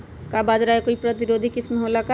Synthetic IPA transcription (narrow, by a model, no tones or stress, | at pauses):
kabad͡ʒɾaekoipɾət̪iɾod̪ʱikɪsmɦolaka